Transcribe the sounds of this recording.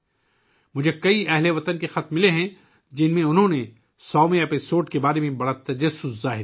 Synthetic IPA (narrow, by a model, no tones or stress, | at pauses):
mʊd͡ʒʱekɐiɛɦleʋɐt̪ənkexɐt̪̚mɪleɦɛ̃ | d͡ʒɪnmẽʊnɦõne | sɔːmẽɛːpɪsoːɖ̚kebaːɾemẽbɐɽat̪ɐd͡ʒɐsːʊzːaːɦɪɾ